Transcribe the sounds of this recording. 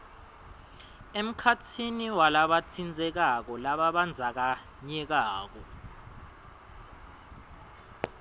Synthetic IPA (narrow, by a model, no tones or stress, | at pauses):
em̩kʰatʰiniwalaɓatʰind͡zʱɛk̬ak̬ɔlaɓaɓand͡zʱak̬a | ɲɛk̬aːk̬ɔ